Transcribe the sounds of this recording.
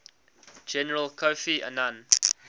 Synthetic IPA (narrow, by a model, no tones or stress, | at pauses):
d͡ʒɛnəɹəlˠkʰofiʔə̰nãn